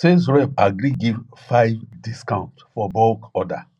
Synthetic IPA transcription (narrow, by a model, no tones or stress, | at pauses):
sezɹɛpaɡɾiɡiv | faɪvdiskãʊ̃ntfɔbɔlkɔda̰